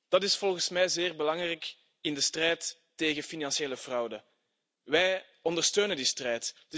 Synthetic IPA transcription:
d̥ɑtɪsfɔlˠɣənsmɛjzɪːrbəlɑŋrɛjk | ɪndəstrɛjtː | eːɣəfinɑnsjeːləvrɑwdə | ʋɛj | ɔndərstøːnəndistrɛjtd

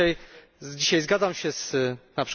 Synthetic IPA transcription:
aj | d͡ʑiɕajzɡad̪zamɕɛz̥napʂ

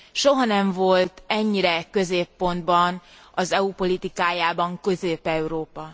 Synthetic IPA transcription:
ʃo̞ɦɒnɛɱvo̞lt̪ɛɲːiɾɛkø̞zeːpːo̞nd̪bɒn | ɒzɛupo̞lit̪ikaːjaːbɒŋkø̞zeːpɛuɾoːpɒ

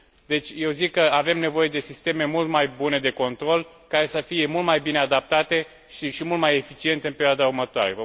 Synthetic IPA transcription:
d̪e̞t͡ʃʲje̞wzikːəave̞mne̞vo̞je̞d̪e̞sist̪e̞me̞mult̪majbune̞d̪e̞ko̞nt̪ɾo̞l | kaɾe̞səfije̞mult̪majbine̞ad̪ap̚t̪at̪e̞ | iʃimult̪majefit͡ʃie̞nt̪e̞ɨnpe̞ɾioad̪aurmət̪oa̰ɾe̞və

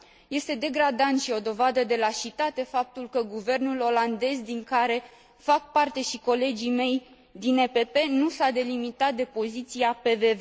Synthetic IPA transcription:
je̞st̪e̞d̪e̞ɡɾad̪ant̪ʃio̞d̪o̞vad̪əd̪e̞laʃit̪at̪e̞fap̚t̪ulkəɡuve̞rnulo̞land̪e̞zd̪iŋkaɾe̞ | fak̚part̪e̞ʃiko̞le̞d͡ʒime̞j | d̪inepe̞pe̞nusad̪e̞limit̪at̪̚d̪e̞po̞zit̪siape̞ve̞ve

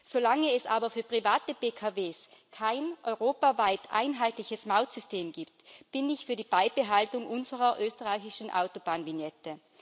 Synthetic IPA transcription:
z̥olaŋəɛsʔaːbɐfyːɐpʁ̥ivaːtəbeːkʰaveːskʰaɪnʔɔʏʁoːpavaɪtʰʔa̰ɪnɦaɪtlɪçəsmaʊtsʏstʰeːmɡiːptb̥ɪnɪçfyːɐdiːb̥aɪb̥əɦaltʊŋʔʊnzəʁɐʔøːstəʁaɪçɪʃn̩ʔa̰ʊtob̥aːnvinjɛtə

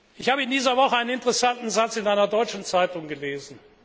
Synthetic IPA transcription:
ʔɪçhaːbəɪndiːzɐvɔχəaɪnənɪntəʁɛsantn̩zat͡sɪnaɪnɐdɔʏt͡ʃn̩t͡saɪtʊŋɡəleːzn̩

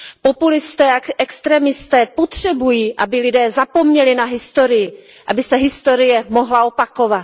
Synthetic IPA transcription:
po̞pulɪst̪ɛːaʔɛkst̪ɾɛmɪst̪ɛːpot̪r̝̥ɛbujiːʔabɪlɪdɛːzapo̞mɲɛlɪnaɦɪst̪o̞ɾɪjɪ | ʔabɪsɛɦɪst̪o̞ɾɪjɛmo̞ɦlao̞pako̞vat̪

